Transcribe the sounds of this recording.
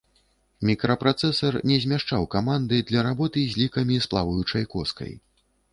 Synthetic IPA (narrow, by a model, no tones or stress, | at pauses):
mʲikɾɐpɾat̪sɛsɐrnʲɛzʲmʲaʂt͡ʂawkamand̪ɨd̪lʲɐɾabɔt̪ɨzʲlʲikɐmʲisplˠa̰vujut͡ʂɐjkɔskɐ̰j